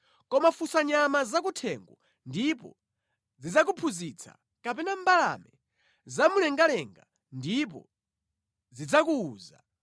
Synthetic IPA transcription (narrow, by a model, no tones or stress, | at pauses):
kɔmafusaɲamazak̬utʰɛŋɡɔ | ndipɔ̰ | zid͡zak̬upʰuzit͡sʰḁ̰ | kapɛnambala̰mɛ | zamulɛŋɡalɛŋɡa | ndip̬ɔ̰ | zid͡zakuːza